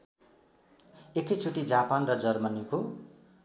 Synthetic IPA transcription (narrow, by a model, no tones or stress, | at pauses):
ekʌjt͡sʰuʈid͡zapanrʌd͡zʌrmʌniko